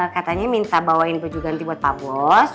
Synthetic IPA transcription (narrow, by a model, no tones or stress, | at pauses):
kat̪aɲamint̪abawaɪnpəd͡ʒuɡant̪ibɔt̪ːabɔs